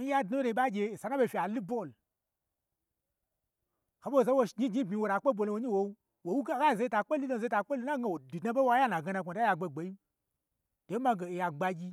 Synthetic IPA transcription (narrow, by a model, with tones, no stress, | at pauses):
n̩˦ja˦dnu˦ɾe˧i˦ɓa˦ɡʲe˧e˨sa˨nã˦ɓe˧˨fʲi˧a˨lu˦bo˦˨l | ha˨ɓo˦wo˨a˦wo˧ʃɡi˦ɡi˦bʲmi˧wo˨ɾa˨˦k͡pe˦bʷo˧lõ˧wo˦ɲi˦wo˧˦ | wo˨wu˦ɡa˦ɡa˦˨ze˧ta˧˨k͡pe˦lu˦lo˧˨ze˧˦ta˧˦k͡pe˦lu˦na˦ɡa˧wo˨du˨dnã˦ɓe˦wa˦ja˦nã˨ɡa˧na˧˨kʷo˨dja˧ɡ͡be˧ɡ͡be˨˦ji˦ | d̥o˨˦mã˧ɡe˨e˨ja˨ɡ͡ba˧ɡʲi˧